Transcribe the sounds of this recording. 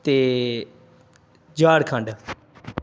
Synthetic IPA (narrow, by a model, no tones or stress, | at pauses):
t̪eː | d͡ʒaːɽkʰə̃ɳɖ